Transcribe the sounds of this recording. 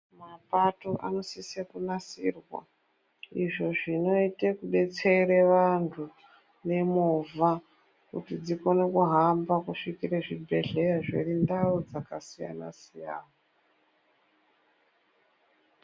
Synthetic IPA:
mapatoʔa̰no̞sisekunasirwa̰ | iʐo̞ʐino̞itekuɓe̞t͡seiɾeʋantʰu | ne̞muvʱa | kṵtid͡ziko̞nekuɦambakuʂikiɾeʐibʱe̞ɮe̞jaʐḛrindaud͡zakasija̰na̰sija̰ːna

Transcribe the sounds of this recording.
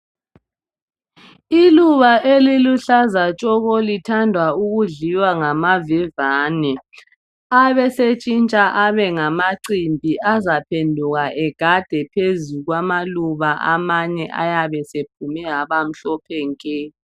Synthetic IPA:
iluβaʔeliluɬazat͡ʃʼɔɣolitʰandʱwauɣuɮiwaŋamavivaːnɛ | aβɛset͡ʃʼint͡ʃʼaʔaβɛŋamaǀimbʱiʔazapʰendʱuɣaʔɛɡ̥ʱad̥ʱɛpʰezuɣwamaluβaʔa̰maɲɛʔa̰jaβɛsep̚ʰumɛɦaβam̩ɬɔpʰɛŋkʼɛ

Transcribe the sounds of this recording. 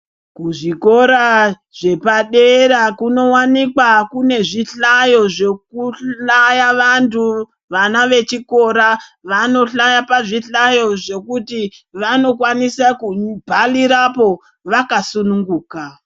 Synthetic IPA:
kuʐiko̞ɾa | ʐe̞paɗe̞ɾakuno̞wanikwakune̞ʐiɬajo̞ʐekuɬajaʋantu | ʋanaʋe̞t͡ʃiko̞ɾaʋano̞ɬajapaʐiɬajo̞ʐe̞kutiʋano̞kwanisakubʱaliɾapo̞ | ʋakasunuŋɡuːka

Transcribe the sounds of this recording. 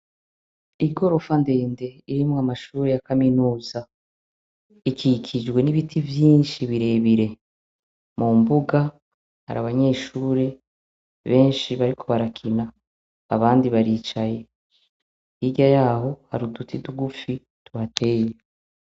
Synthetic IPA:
iɡo̞ɾo̞fande̞ːnde̞iɾimŋamaʃuːɾe̞jakaminuːza | ikʰikʰid͡ʒɡwe̞niβitʰivjiːnʃiβiɾe̞βiɾe̞ | mumbuɡa | ha̰ɾaβaɲe̞ʃuːɾe̞ | βe̞ːnʃiβaɾikʰo̞βaɾakʰinaː | βaːndiβaɾiːt͡ʃaje̞ | iɟajaːho̞haɾudutʰiduɡufi | tuβatʰe̞ːje

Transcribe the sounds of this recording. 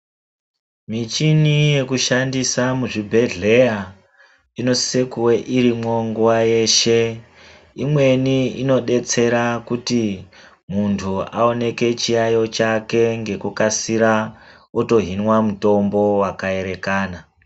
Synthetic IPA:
mit͡ʃinije̞kuʃandisamuʐibʱe̞ɮe̞ja | ino̞ssekuweʔiɾimo̞ŋɡuwaje̞ːʃe̞ | imwe̞niino̞ɗe̞t͡se̞ɾakuti | muntʰua̰o̞ne̞ke̞t͡ʃijajo̞t͡ʃake̞ŋɡe̞kukasiɾa | oto̞ɦinwamuto̞mbo̞wakae̞ɾe̞kaːna

